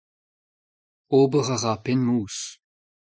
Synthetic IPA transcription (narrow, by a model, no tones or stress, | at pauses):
oːbəʁaʁapenmuːs